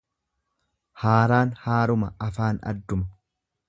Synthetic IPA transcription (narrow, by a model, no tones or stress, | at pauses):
haːɾaːnhaːɾʊmɐɐfaːnɐ̰d̪ːʊmɐ